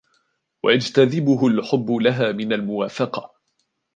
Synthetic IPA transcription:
wa̰jad͡ʒt̪aðɪbʊɦʊlħʊbːʊlaɦaːmɪnalmʊwaːfɑqɑ̥

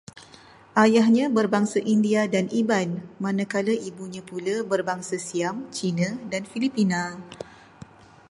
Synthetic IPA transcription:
ʔajaɦɲãbərbaŋsəʔindiadanʔibanmãnəkaləʔibuɲãpuləbərbaŋsəsiamt͡ʃinadanfilipinã

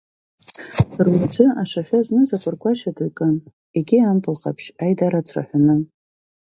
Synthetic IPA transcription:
rwad͡ʒʷɨaʂaʃʲᶣaznɨzakʷʼɨrkʷʰʼaʃadukʼɨn | eɡʲiampʰʼɨlqʼa̰pʰʃajdaɾat͡sʷʰra̰ħʷᶣanɨ

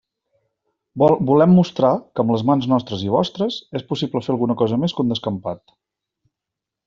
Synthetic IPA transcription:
bulɛmːust̪ɾakəmləzmanznɔst̪ɾəziβ̞ɔ̰st̪ɾəzespusipləfeəlˠɣunəkɔzəmeskund̪əskəmpat̪̚

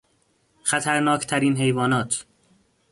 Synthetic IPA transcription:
xæt̪ʰæɾnɒːkʰt̪ʰæɾiːnɦe̞jvɒːnɒːt̪ʰ

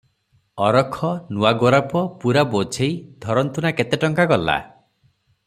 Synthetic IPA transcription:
ɔɾɔkʰɔnuwaɡɔɾapɔpuɾabot͡ʃʰejd̪ʱɔɾɔnt̪unaket̪eʈɔŋkakɔlːa̰

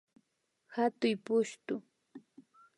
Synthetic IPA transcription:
hat̪ʊjpʊʃt̪ʊ

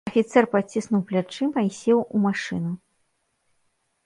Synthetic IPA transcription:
ɐfʲit̪sɛrpat͡sʲːisnuwplʲat͡ʂɨmɐisʲɛwumaʂɨ̰nu

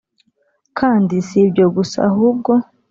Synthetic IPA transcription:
kʰaːndisibɟoɡusa̰hub̚ɡo

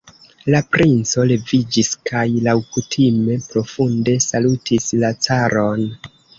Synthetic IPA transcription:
lapɾʔint͡so̞le̞vid͡ʒiskʰajlawkutʰime̞pɾo̞funde̞salutislat͡saɾo̞n

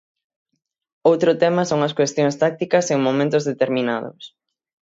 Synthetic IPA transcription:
owt̪ɾʊt̪ɛmɐsoŋɐskwest̪joŋst̪ak̚t̪ikɐseŋmomẽnt̪ʊzðet̪eɾminaðʊ̰s

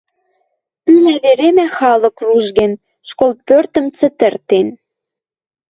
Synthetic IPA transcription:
ylæβeɾemæxɑlɤ̆kruʒɣen | ʃkolpørt̪ə̆mt͡sə̆t̪ə̆rt̪en

